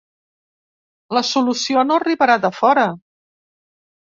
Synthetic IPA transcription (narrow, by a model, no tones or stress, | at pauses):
ləsulusionoəriβəɾat̪əfɔɾə